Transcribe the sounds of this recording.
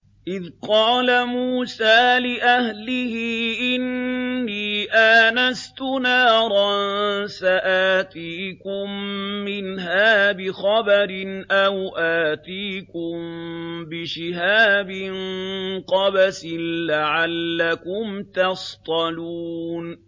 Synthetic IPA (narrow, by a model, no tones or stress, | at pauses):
ʔɪðqɑːlamuːsaːlɪʔahlɪhɪʔɪnːiːʔaːnast̪ʊnaːɾˤɑnsaʔaːt̪iːkʊmːɪnɦaːbɪxɑbaɾɪnʔawʔaːt̪iːkʊmbɪʃɪɦaːbɪnŋqɑbasɪnlaʕalːakʊmt̪ɑst̪ˤɑluːn